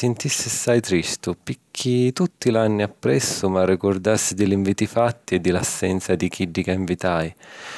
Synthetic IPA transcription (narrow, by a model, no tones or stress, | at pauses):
sɪnt̪isːɪsːajt̪ɾist̪ʊpikʰːit̪ut̪ːilanːiapːɾɛsːʊmarːikʊrd̪asːid̪ɪliɱviːt̪ifat̪ːiɛd̪ːɪlasːɛnt̪sad̪ik̟ʰiɖːikaiɱvit̪aj